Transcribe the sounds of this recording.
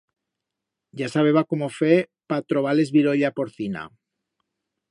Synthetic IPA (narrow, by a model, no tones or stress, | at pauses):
ɟ͡ʝasaβ̞e̞βakomofepat̪ɾo̞β̞ale̞zβiɾo̞ʎapoɾθina̰